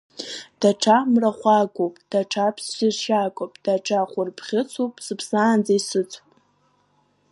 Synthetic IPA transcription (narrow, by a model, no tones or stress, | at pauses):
d̥aʈ͡ʂʰamraχʷaɡʷʼowpʼd̥aʈ͡ʂʰapʰssɪzʃakʼopʼd̥aʈ͡ʂʰaχʷʊrpʰχʲɪt͡sʷʰopʼsɨpʰsaːnd͡zaisɨt͡sʷʰʼpʼ